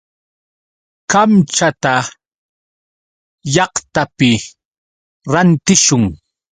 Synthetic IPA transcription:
kamt͡ʃat̪a | jɑχt̪apɪ | ɾant̪ɪʃʊŋ

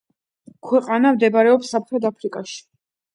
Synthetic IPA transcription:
kʰwɛqʼanamd̪ɛbaɾɛɔpsap̚ʰtɾɛd̪apʰɾikʼaʃi̥

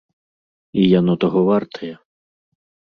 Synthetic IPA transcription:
ijanɔt̪ɔɦɔʋart̪ʰɐjɐ

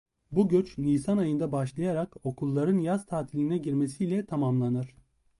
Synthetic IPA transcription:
buɟøt͡ʃnʲiːsanajɯnd̪abaʃlˠajaɾako̞kʰulˠːaɾɯnjaz̥t̪ʰaːt̪ʰilʲinɛɟiɾmesijlʲɛt̪ʰamamlˠanɯɾ̥

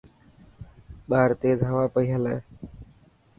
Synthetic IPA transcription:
ɓaːɾt̪eːzɦəʋaːpəiːɦəlẽː

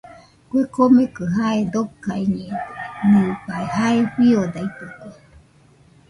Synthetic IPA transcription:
kuekomekɨɦaed̪okaiɲẽnɨbaehaeɸiod̪ait̪ɨke

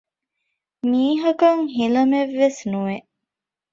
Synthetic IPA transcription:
miːɦɐkɐŋɦilɐmeʋːesnuʋeʔ

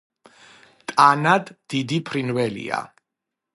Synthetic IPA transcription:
t̪ʼanad̪d̪̥id̪ipʰɾinvɛlḭa̰

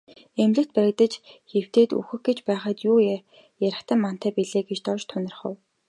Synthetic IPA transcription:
emɮɘ̆kt̪̚pæɾʲɪ̆k̚t̪ə̆t͡ɕxew̥t̪eːt̪ṵxɘ̆xɡet͡ɕpæːχaːt̪juː | jaɾə̆kt̪ə̆mːan̥t̪æːpiɮeːɡet͡ɕt̪ɔt͡ɕt̪ʰʊnʲɪ̆rχə̰̆w

